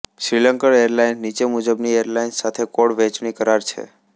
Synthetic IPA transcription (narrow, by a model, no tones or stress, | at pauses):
ʃɾiləŋkəɭeaɾlainːit͡ʃemud͡ʒəbnieɾlainsat̪ʰekoɽʋɛt͡ʃnikəɾaɾt͡ʃʰḛ